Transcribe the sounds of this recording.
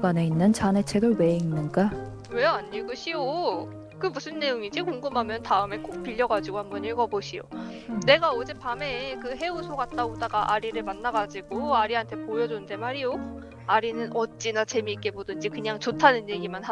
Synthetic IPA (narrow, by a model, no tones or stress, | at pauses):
ɡane̞inːɯnt͡ɕane̞t͡ɕʰedoɭwe̞inːɯnɡa | we̞aɲːiɭɡɯɕʰio | kɯmusʰɯnːe̞joŋid͡ʑikoŋɡɯmɦamjʌntaɯme̞k͈ok̚p͈iʎːʌɡad͡ʑiɡohambʌniɭɡʌboɕʰijo̰ne̞ɡaod͡ʑepame̞kɯɦe̞usʰoɡat̚t͈aɡodaɡaʔaɾiɾɯɭmanːaɡad͡ʑiɡoaɾiɦantʰe̞pojʌd͡ʑonɯnde̞maɾijo | aɾinɯnʔʌt͡ɕ͈inat͡ɕe̞miːk͈e̞bodɯnd͡ʑikɯɲaŋt͡ɕotʰanɯnje̞ɡimanɦa